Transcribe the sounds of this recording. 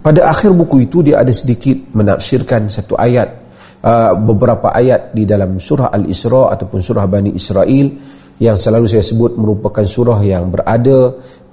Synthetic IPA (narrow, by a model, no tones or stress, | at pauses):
padaʔaxɪrbukuit̪udiaʔa̰dasədikɪt̪̚məna̰fsɪrkansat̪ṵʔajat̪̚ | əbəbəɾapa̰ʔajat̪̚didalamsuɾaha̰lḭsɾɔʔa̰t̪awpʊnsuɾahbaniʔisɾaʔil | jaŋsəlalus̬ajasəbʊt̪̚mə̃ɾupakansuɾaɦjaŋbərʔada